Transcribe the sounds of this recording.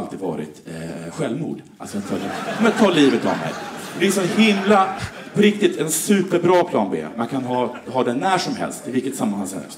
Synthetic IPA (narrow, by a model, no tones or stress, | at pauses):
lt̪iːd̪vɑ̰ːɾɪ̰t̪ɧɛlvmṵːɖ | a̰lsɔɛt̪fʰœljəkɔmat̪ʰːɑːliːvət̪a̰vmɛ̰jd̪ɛɛʂɔhɪmla | pʰɔɾɪk̚t̪ɪt̪ʰɛnsʉ̟ːpəɾbɾɑːpʰlɑ̰ːnbḛːmankʰanɦɑːhɑːd̪ɛnːæʂɔmɦɛ̰lst̪ɪvɪlkːət̪samːanaŋsɛ̰